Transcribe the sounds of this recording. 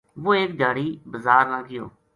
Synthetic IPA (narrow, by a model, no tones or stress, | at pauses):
ʋoːeːk̚d͡ʒaːɽiːbəzaːɾnãːɡɪjo̰ː